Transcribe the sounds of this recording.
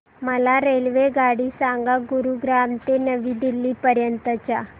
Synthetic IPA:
məlaɾelʋeɡaɽiːsaŋɡaɡuɾuɡɾamt̪enəʋiːd̪ilːiːpəɾjənt̪ət͡ɕja

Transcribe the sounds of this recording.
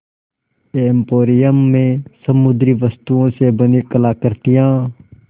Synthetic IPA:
eːmpoːɾɪjəmːẽsəmʊd̪ɾiʋəst̪uõsebənikəlaːkəɾt̪ijãː

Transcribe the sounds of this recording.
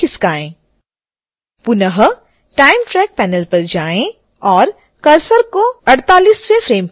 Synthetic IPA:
ɪskaːẽː | pʊnəɦ | ʈaːɪmʈɾɛːk̚pɛːnəlpɐɾd͡ʒaːẽ | ɔːɾ | kɐɾsəɾkoɐɽt̪aːliːsʋefɾeːmp

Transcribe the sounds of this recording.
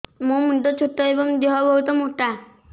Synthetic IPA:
mõmuɖɔt͡ʃʰoʈːɔebɔŋd̪eɦɔbɔɦut̪ɔmoʈːa

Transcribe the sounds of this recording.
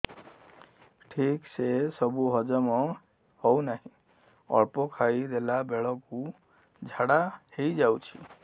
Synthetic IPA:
ʈʰiksesɔbuɦɔd͡ʒɔmɔ | hɔwnaɦĩ | ɔ̰ɾpɔkʰajd̪elabeɭɔku | d͡ʒʱaɽahejd͡ʒawt͡ʃʰḭ

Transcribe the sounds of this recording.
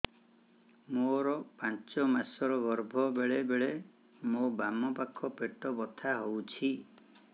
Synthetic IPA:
moɾɔpãnt͡ʃɔmasɔɾɔɡɔɾbʱɔbeɭebeɭe | mobamɔpakʰːɔpeʈɔbɔt̪ʰaɦowt͡ʃʰi

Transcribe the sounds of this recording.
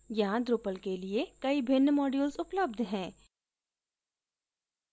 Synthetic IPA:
jɐɦãd̪ɾʊpəlkeliekɐibʱɪnːmɔːɖjuːlsʊpləb̚d̪ʱɦɛ̃ː

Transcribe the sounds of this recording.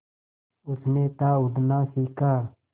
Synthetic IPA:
ʊsneːt̪aːʊd̪nãːsiːkaː

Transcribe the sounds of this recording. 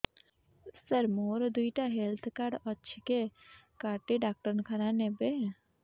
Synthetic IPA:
səɾmoɾd̪ujʈaɦelt̪ʰkaɾɖɔːʃʰike | kaʈeɖak̚ʈəɾnkʰaɾanebe

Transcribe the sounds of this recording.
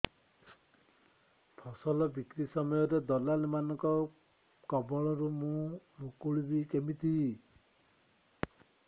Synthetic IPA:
pʰɔsɔlɔbikɾisɔmɔjɔɾed̪ɔlalimanɔŋkɔ | kɔbɔɭɔɾumũmukuɭibikemit̪ʰi

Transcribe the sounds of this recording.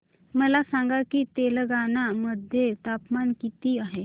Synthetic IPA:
məlasaŋɡakiːt̪eləɡanaməd̪ʱjet̪apmankit̪iːaɦe

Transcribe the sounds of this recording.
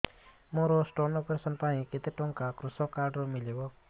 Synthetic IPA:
mɔɾɔsʈɔnɔpeɾsɔnpaĩket̪eʈɔŋkakɾusɔkaɾɖɾɔmilebɔ

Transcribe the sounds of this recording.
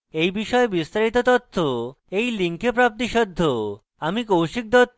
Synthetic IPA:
ejbiʃɔebist̪aɾit̪ot̪ɔt̪ʰːo | ejliŋkʰepɾap̚t̪̬iʃɔd̪ʱːo | amikowʃik̚d̪ɔt̪

